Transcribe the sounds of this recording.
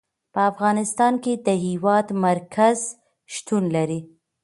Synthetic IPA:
pəafɣɑnɪst̪ɑnked̪əɦiwɑd̪maɾkʰaz | ʃt̪unlaɾi

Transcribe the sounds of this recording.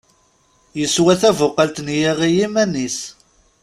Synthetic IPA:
jəswæθævʊqːəlt̪njiʁijimænis

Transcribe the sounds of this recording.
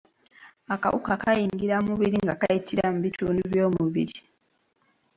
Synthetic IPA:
aka̰wṵkakajiːŋɡiɾamuβiɾiŋɡakajitʰiɾamuβituːnduβjo̞ːmuβiɾi

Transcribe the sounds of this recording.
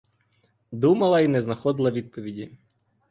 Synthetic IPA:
d̪umɐlˠɐinɛznɐxɔd̪ɪlˠɐʋʲid̪̚pɔʋʲidʲi

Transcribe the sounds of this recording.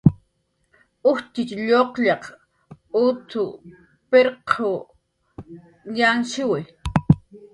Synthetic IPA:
ʊht̪ɪt͡ʃʎoqʎɑq | ʊt̪ʰʊ | peɾqʰo | janʃɪwɪ

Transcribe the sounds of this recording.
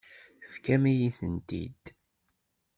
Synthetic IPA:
θə̥fkæmijiθənt̪ḭd̪

